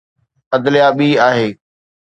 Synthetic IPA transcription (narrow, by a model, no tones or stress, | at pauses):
əd̪lɪjaːɓiːaːɦeː